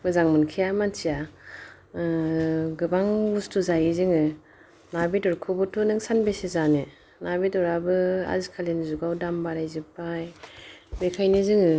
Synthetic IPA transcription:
mɯzaŋmɯnkʰijamansija | ɡɯbaŋustʰuzajizɯŋɯ | nabidɔɾkʰɔbɔtʰunɯŋsanbesezane | nabidɔɾabɯa̰zikʰalenzuɡawdambaɾajzɯpajbekʰajnɯzɯŋɯ

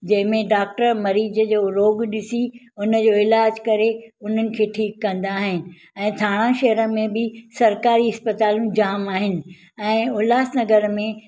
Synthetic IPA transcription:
d͡ʑɐ̃ɦɪ̃mẽɖaːk̚ʈəɾmɐɾiːd͡ʑəd͡ʑoːɾoːɡɗɪsi | ʊnəd͡ʑoːɪlaːd͡ʑkɐɾeʊn̤ənɪ̆kʰeːʈʰiːkːɐ̃nd̪aːɦɪnɪ̆ | ɛ̃ːt̪ʰaːɽ̃ãʃɐɦɾəmẽbɪsɐɾkaːɾiɪspət̪aːlũd͡ʑaːmaːɦɪnɪ̆ | ɛ̃ːʊlaːsnɐɡəɾmẽ

